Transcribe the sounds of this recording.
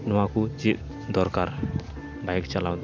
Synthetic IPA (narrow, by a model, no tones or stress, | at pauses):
nuakut͡ʃiʔ | d̪ɔrkar | baɛk̚t͡ʃalawt̪